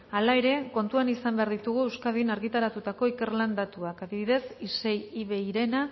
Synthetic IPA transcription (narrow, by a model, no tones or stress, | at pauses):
alae̞ɾe̞ko̞nt̪uanisambe̞aɾðit̪uɣ̞ue̞wskaðinaɾɣit̪aɾat̪ut̪ako̞ikeɾland̪at̪uakaðiβiðe̞sise̞jiβe̞iɾe̞na